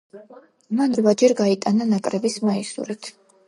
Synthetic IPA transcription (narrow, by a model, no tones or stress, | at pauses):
manɾvad͡ʒɛɾɡait̪ʼananakʼɾɛbismaisṵɾɛt̪ʰ